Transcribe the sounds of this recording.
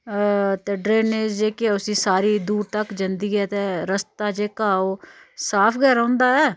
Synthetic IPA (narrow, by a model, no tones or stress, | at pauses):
t̪eːɖɾeːneːd͡ʒd͡ʒeːkɪɛʊsĩːsaːɾiːd̪uːɾt̪əkd͡ʒənd̪iːɛːt̪eːɾəst̪aːd͡ʒeːkaːoː | saːpʰɡɛːɾãːnd̪aːɛː